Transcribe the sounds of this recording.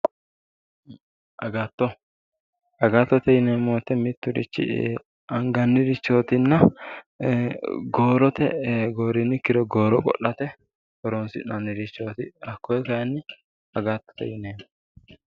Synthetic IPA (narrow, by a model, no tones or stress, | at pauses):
ʔɐɡat̪ːɔ | ɐɡaːt̪ːɔt̪ɛjɪneːmoːt̪ːɛmɪt̪ːʊɾɪ̰t͡ʃːɪ̰ | ɐŋɡɐnːɪɾɪt͡ʃːoːt̪ɪnːɐ | ɡoːɾɔt̪ɛ̰ɡoːɾɪnːɪkɪɾɔɡoːɾɔkʼɔ̰ʔːɐt̪ɛ | hɔɾonsɪ̰nɐnːɪɾɪt͡ʃːoːt̪ɪɐkːɔjɛkɐnːɪ | ɐɡaːt̪ːɔ̥t̪ɛ̰jɪneːmɔ